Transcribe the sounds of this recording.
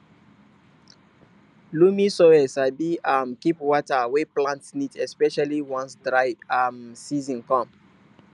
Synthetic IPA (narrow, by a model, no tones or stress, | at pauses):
lumisɔɛsabiamkipwɔtaweplãntsnitɛspɛʃaliwɔ̃nsdɹaɪvamsizĩnkɔ̃m